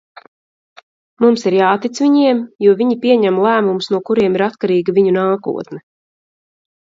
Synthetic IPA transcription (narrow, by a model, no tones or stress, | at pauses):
mumsiɾjaːt̪it̪sviɲiɛmjuɔviɲipʲiɛɲæmlˠæːmumsnuɔkuɾiɛmiɾat̪kaɾiːɡaviɲunaːkṵɔt̪nɛ